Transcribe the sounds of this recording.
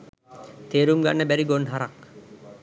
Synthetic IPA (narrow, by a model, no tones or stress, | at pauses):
t̪eːɾumɡa̰nːəbæɾiɡonɦaɾak